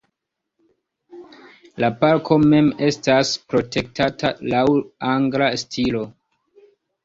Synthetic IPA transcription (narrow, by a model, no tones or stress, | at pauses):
lapaɾkʰo̞me̞me̞staspɾo̞te̞k̚tʰatʰalawaŋɡlastʰilo̞